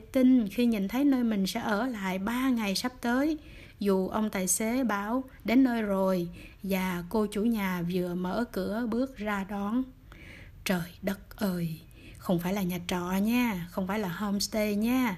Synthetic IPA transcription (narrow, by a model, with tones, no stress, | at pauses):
t̪i˧nxi˧ɲḭ˧˨nt̪ʰə˨˦jnəː˧jmï˨˩ŋ̟sɛ̰˧˥ʔəː˧˩la̰ː˧˨jɓaː˧ŋa˨˩jsa˦˥p̚t̪əː˨˦j | zu˨˩ʔə˧wŋ͡mt̪a̰ː˧˨jse˨˦ɓaː˧˦w | ɗe˨˦nːəː˧jzo˨˩jvaː˨˩ko˧t͡ɕu˧˩ɲaː˨˩vɨ˨˩əmə̰ː˧˥kɨ˧˩˥əɓɨ˦˥ək̚zaː˧ɗɔ˨˦n | t͡ɕəː˨˩jɗə˦˥t̚ʔəː˨˧˩j | xə˧wŋ͡mfaː˧˩jlaː˨˩ɲa˨˩t̚t͡ɕɔ̰˧˨ɲaː˧xə˧wŋ͡mfaː˧˩jlaː˨˩hɔ˧mst̪e˧ɲaː˨˧˦